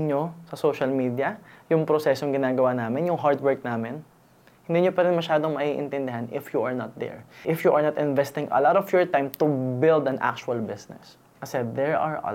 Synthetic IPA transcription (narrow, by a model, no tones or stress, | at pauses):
ɲosɐsoːʃɐlmiːd̪iɐjʊŋpɾosɛsoŋɡɪnaːɡɐwaːnaːmɪnjʊŋɦaɹd̪wɛɹk̚naːmɪn | hɪnd̪iːɲopɐɾɪnmɐʃaːd̪oŋmɐʔiʔɪ̰nt̪ɛnd̪ɪɦanɪfjuʔɐɹnat̪̚d̪ɛ̰ɹʔɪfjuʔɐɹnɐt̪ɪ̃nvɛst̪ɪ̃ŋɐ̰lɔt̪ɔfjɔɹt̪ãjmt̪ʊbɪld̪ɐnʔa̰k̚t͡ʃʊɐlbɪsnɛ̰s | kɐsɛðɛɹaɹ̰